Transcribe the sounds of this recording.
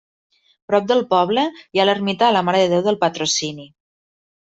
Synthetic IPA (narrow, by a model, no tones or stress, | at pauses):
pɾɔp̚d̪əlˠpɔβləjalərmit̪aːləmaɾəðəðewðəlˠpət̪ɾusini